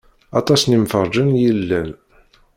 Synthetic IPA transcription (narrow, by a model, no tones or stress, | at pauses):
ɑt̪ˤɑsnimfəɾˤd͡ʒənjəlːæn